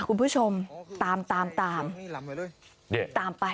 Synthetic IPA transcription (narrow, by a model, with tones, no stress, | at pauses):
kʰu˧npʰuː˦˥˩t͡ɕʰo˧mt̪aː˧mt̪aː˧mt̪aː˧m | di˥˩t̪aː˧mpa˧